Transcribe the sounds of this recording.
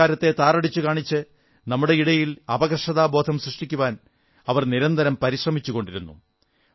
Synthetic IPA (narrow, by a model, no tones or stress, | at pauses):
aːɾɐt̪ːe̞t̪aːrɐɽit͡ɕːukaːɳit͡ɕːɨ | nɐmːuɽe̞iɽɐjilɐbɐɡrʂɐðaːbo̞ːd̪ʱʰɐmsrɨʂʈikʲːuʋaːn | ɐʋɐrniɾɐnd̪ɐɾɐmpɐɾiɕrɐmit͡ɕːuɣo̞ɳɖiɾunːṵ